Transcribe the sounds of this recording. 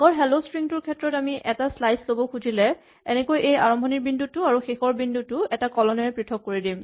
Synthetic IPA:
ɡɔɹɦɛlospɹiŋtuɹkʰɛtɹɔtamiʔɛtaslajslobɔkʰuzʱilɛ | ɛnɛkojʔeja̰ɹɔmbʱɔniɹbindutːʊaɹuxexɔɹbindutʊɛtakɔlɔnɛɹɛpɹitʰɔkːoɹidim

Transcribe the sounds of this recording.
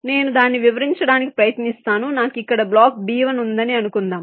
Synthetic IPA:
ne̞ːnud̪aːnːiʋiʋɐɾiɲt͡ʃɐɽaːnikipɾɐjɐt̪nist̪aːnunaːkikːɐɽɐblaːkbiːʋɐnund̪ɐniɐnukund̪aːm

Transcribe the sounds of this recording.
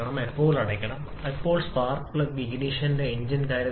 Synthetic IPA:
ɐɳɐmepːo̞ːɭɐɽɐkʲːɐɳɐm | ipːo̞ːɭspaːrklɐʋid͡ʑiniːʂɐndeeɲd͡ʑinkaːɾjɐ

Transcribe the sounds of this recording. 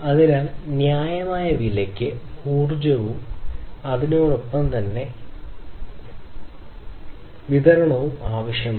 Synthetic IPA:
ɐðinaːlnjaːjɐmaːjɐʋilɐkʲːɨpuːrd͡ʑɐʋumɐðinoːɽopːɐmt̪ɐnːe̞ | ʋiðɐɾɐɳɐʋumaːʋɐʂjɐm

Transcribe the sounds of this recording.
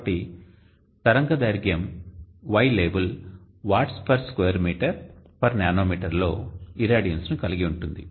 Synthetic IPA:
ʈi | t̪ɐɾɐŋɡɐd̪ɐjɾɡjɐmʋɐjleːbɐl | ʋaːʈspɐɾskojɐɾmiːʈɐɾpɐɾnjaːnoːmiːʈɐɾlo̞ːiɾaːɖijɐnsnukɐliɡiuɳʈund̪ḭ

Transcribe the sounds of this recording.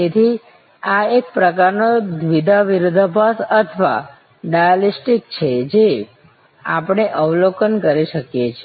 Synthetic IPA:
t̪et̪ʰi | aek̚pɾəkaɾnod̪ʋid̪ʱaʋiɾʊd̪ʱəbʱasət̪ʰʋa̰ | ɖajalisʈik̚t͡ʃʰed͡ʒe | a̰pəɽ̃eʔəʋlokənkəɾiʃəkjet͡ʃʰe

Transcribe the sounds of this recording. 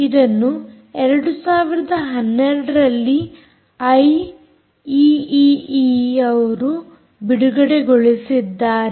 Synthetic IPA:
id̪ɐnːu | ɛɾɐɽusaːʋiɾɐd̪ɐɦɐnːeɾɐɽɐɾɐlːi | ɐj | iiiɐʋɐɾu | biɽuɡɐɽeɡoɭisid̪ːaːɾe

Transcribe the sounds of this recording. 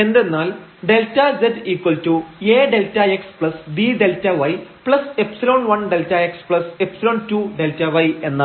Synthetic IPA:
e̞nd̪e̞nːaːl | ɖe̞ltːɐd͡ʑediːkwɐltueːɖeltːɐekspɭɐsdiɖeltɐʋɐjpɭɐsepsiloːnʋɐɳɖeltːɐekspɭɐsepsiloːɳtuːɖe̞ltɐʋɐje̞nːɐ

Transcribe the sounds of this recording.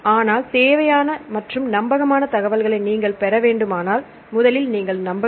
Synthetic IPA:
aːnaːlt̪eːʋɐjaːnɐmɐʈrɯmnɐmbɐɣɐmaːnɐt̪ɐɣɐʋɐlɣɐɭɐɪniːŋɡɐɭpɛɾɐʋeːɳɖɯmaːnaːl | mʊðɐlɪlniːŋɡɐɭnɐmbɐ

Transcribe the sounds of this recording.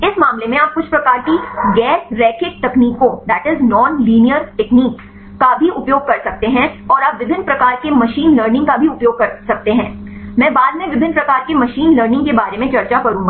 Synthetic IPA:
ɪsmaːmlemẽaːp̚kʊt͡ʃʰpɾɐkaːɾkiɡɛːɾːɛːkɪʈ̚t̪ɐkniːkõd̪æːʈɪznɔːnliːnijəɾʈɛkniːkː | abʱiʔʊpjoːɡ̚kɐɾsɐk̚t̪eɦɛ̃ɔːɾaːpʋɪbʱɪnːpɾɐkaːɾkemɐʃiːnləːɾnɪ̃ŋɡkabʱiʊpjoːɡ̚kɐɾsɐk̚t̪eɦɛ̃ːmɛ̃ːbaːd̪mẽʋɪbʱɪ̃nːpɾɐkaːɾkemɐʃiːnləːɾnɪ̃ŋɡkebaːɾemẽt͡ʃɐɾt͡ʃakɐɾũːŋɡaː

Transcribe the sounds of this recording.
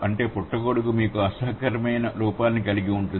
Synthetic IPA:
ɐɳʈe̞ːpuʈːɐɡoːɽukumiːkuɐsaːkɐɾɐmɐjnɐluːpaːnːikɐliɡiuɳʈun

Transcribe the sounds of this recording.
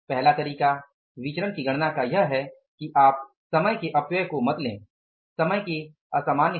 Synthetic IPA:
pɛɦlat̪ɐɾiːka | ʋɪt͡ʃɾənkiɡɐɽ̃nakajɐɦɦɛ | kiʔaːp̚ | sɐməjkeʔɐpjəjkomɐt̪lḛ̃ː | sɐməjke | ɐsaːmaːnj

